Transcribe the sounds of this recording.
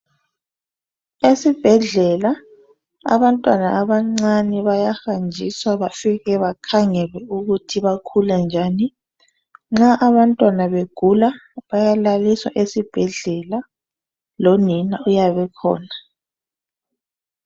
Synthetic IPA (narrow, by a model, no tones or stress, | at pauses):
esib̥ʱɛɮɛla | a̰βantʼwanaʔaβaŋ͡ǀaniβajaxand͡ʒʱiswaβafiɣɛβakʰaŋɛlwɛuɣutʰiβakʰuland͡ʒʱani | ŋ͡ǁaʔaβantʼwanaβeɡ̥ʱulaβajalaliswa̰ʔesib̥ʱɛɮɛla | lɔninaujaβɛkʰɔ̰ːna